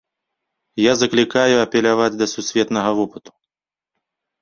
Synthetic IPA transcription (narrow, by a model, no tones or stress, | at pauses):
jazɐklʲikajuɐpʲɛlʲavad͡zʲd̪ɐsusʲvʲɛt̪nɐɣɐvɔpɨt̪u̥